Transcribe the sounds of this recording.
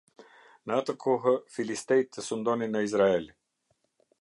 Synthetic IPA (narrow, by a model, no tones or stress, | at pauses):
naːt̪akʰɔɦəfilist̪ɛjt̪ɛsund̪ɔninɐizɾaɛlʲi